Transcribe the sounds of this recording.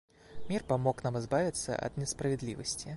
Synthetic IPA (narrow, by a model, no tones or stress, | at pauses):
mʲirpamɔknamɨzbavʲit̪sːɐ̰ʔɐ̰d̪nʲɛspɾɐvʲɛd̪lʲivɐsʲt͡sʲi